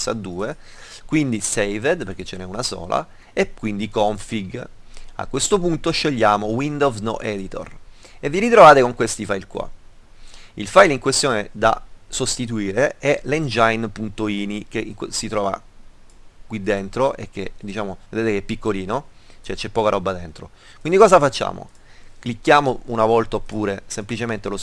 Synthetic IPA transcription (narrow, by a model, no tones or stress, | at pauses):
sa̰d̪ːuːe | kwind̪isejved̪perk̟et͡ʃːenɛunasɔ̰ːla̰ | ekwind̪ikɔɱfiɡa̰kːwest̪opunt̪oʃːeʎːaːmowind̪ozno̰ʔɛd̪it̪o̰r | evːiɾit̪ɾovaːt̪ekoŋkwest̪ifajlkwa̰ | ilfajliŋkwest̪joːned̪a̰sost̪it̪uiːɾeɛlend͡ʒajnpunt̪oiːnik̟eʔiŋkwesit̪ɾɔːva̰ | kwid̪ːent̪ɾoʔek̟ːḛd̪it͡ʃaːmoved̪eːt̪ekɛpːikːoliːno | t͡ʃɛt͡ʃɛpːɔːkaɾɔbːad̪ent̪ɾo̰ | kwind̪ikɔːzafat͡ʃːa̰ːmo̰ | klikːjaːmounavɔlt̪aopːuːɾesemplit͡ʃement̪elos